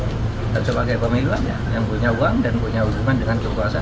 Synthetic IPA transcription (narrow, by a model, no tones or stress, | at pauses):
dansəbaɡajpəmiluanjajaŋpuɲauaŋdanpuɲaud͡ʒumandəŋankəkuasa